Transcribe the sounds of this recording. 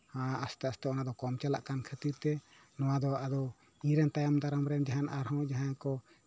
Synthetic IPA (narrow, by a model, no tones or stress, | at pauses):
aast̪ɛast̪ɛɔnad̪ɔkɔmt͡ʃala̰ʔkankʰət̪iɾt̪ɛ | nɔwad̪ɔad̪ɔ | iɾɛnt̪ajamd̪aɾəmɾɛnd͡ʒaɦanʔaɾɦɔ̃d͡ʒaɦankɔ